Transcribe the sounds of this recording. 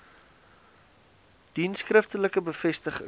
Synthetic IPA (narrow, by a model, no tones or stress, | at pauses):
d̥inskrəftələkəbəfɛstəχə̰